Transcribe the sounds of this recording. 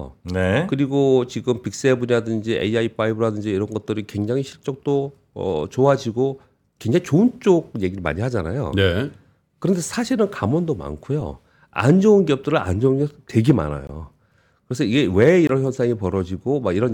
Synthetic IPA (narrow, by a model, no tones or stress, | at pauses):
nekɯɾiɡot͡ɕiɡɯmpik̚s͈e̞buɲadɯnd͡ʑiʔḛiaipaibɯɾadɯnd͡ʑiːɾʌnɡʌt̚t͈ɯɾikwe̞ŋd͡ʑaŋiɕʰiɭt͡ɕ͈ʌk̚t͈o | ʌ̰t͡ɕoɦad͡ʑiɡo | kweŋd͡ʑaŋit͡ɕoɯnt͡ɕ͈oɡ̚je̞ɡiɾɯɭma̰ɲihad͡ʑana̰jo̰ne | kɯɾʌnde̞sʰaɕʰiɾɯnkamwʌndoma̰nkʰojo̰ | a̰nd͡ʑounkiʌp̚t͈ɯɾɯɭa̰nd͡ʑʌunɡjʌtwe̞ɡema̰na̰jo̰ | kɯɾe̞s̬ʰʌiɡe̞we̞iɾʌnçjʌnsʰaŋipʌɾʌd͡ʑiɡomaɡiɾʌn